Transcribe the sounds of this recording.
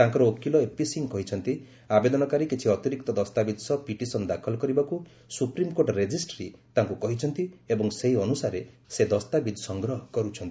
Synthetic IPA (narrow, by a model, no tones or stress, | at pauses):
t̪aŋkɔɾɔokːilɔepisiŋkɔɦit͡ʃʰɔnt̪i | abed̪ɔnɔkaɾikit͡ʃʰiɔt̪iɾik̚t̪ɔd̪ɔst̪abid̪ʱsɔpiʈisɔnd̪akʰɔlɔkɔɾibɔku | supɾimkoɾʈɾed͡ʒisʈɾit̪aŋkukɔɦit͡ʃʰɔnt̪iebɔŋseɦiɔnusaɾe | sed̪ɔst̪abid̪ʱsɔŋɡɾɔɦɔkɔɾut͡ʃʰɔnt̪i